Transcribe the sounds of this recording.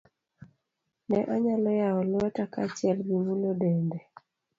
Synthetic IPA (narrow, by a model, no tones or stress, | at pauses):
nɛʔaɲalɔjaɔlɔɛtakat͡ʃɪɛlɡimulodɛndɛ